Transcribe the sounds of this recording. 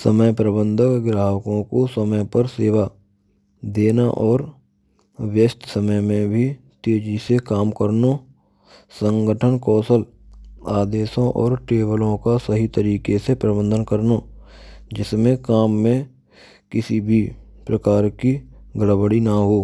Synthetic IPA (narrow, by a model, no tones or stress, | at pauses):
səməjpɾəbə̃nd̪ʱəkɡɾaːɦəkõkosəməjpəɾseːʋa | d̪eːnaʔɔːɾ | wjəst̪səməjmẽbʱi | t̪eːd͡ʒisekaːmkəɾno | sə̃ŋɡəʈʰənkɔːsəl | aːd̪eːsõʔɔ̰ːɾʈeːbəlõkasəɦit̪əɾiːkesepɾəbə̃nd̪ʱənkəɾnoːd͡ʒɪsmẽkaːmːẽ | kɪsibʱipɾəkaːɾkiɡʱəɽbəɽinaɦoː